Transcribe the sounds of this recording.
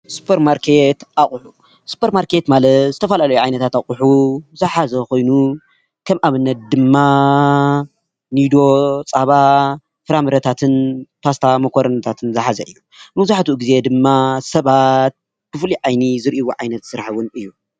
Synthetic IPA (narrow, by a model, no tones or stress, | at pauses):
su̥pʰeɾmaɾkʰe̞t̪ʔaχʼħu | su̥pʰeɾmaɾke̞t̪malɐt̪zɨt̪ʰɐfɐlalɐjuʕajnɐt̪ʰat̪aχʼʊħuzɨħazɐko̞jnu | kʰɐmʔaβɨnːɐt̪̚d̪ɨmːa | nid̪o̞t͡sʼaβa | fɨɾamɨɾɐt̪ʰat̪ʰɨnpʰast̪ʰamɐkʰoɾɐnɐt̪ʰat̪ʰɨnzɨħazɐʔɨjːu | mɐzaħt̪uɡize̞d̪ɨmːasɐβat̪̚ | b̥ɨfliʕajnizɨɾʔiwuʕajnɐt̪sɨɾħɨwʊnɨjːu